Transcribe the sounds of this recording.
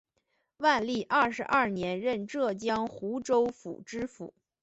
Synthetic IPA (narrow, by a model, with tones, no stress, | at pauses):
wa˥˧nli˥˩ʔɐ˞˥˩ʂɻ̩˧˥ʔɐ˥˩njɛ˧˥nɻə˥˧nʈ͡ʂɤ˥˩t͡ɕjɑ˥ŋxu˧˥ʈ͡ʂo˥ʊfṵ˨˩ʈ͡ʂɻ̩˥fṵ˨˩˦